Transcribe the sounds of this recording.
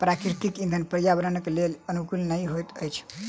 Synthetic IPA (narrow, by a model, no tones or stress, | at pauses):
pɾakɾit̪ikĩnd̪ʱənpəɾjabəɾənəkelelənukulnəjɦojt̪əjt͡ʃʰ